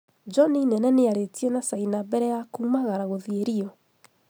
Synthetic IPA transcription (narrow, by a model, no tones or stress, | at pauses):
d͡ʒɔninɛnɛneaɾetiɛnasainabɛɾɛjakumaɣaɾaɣoðieɾiɔ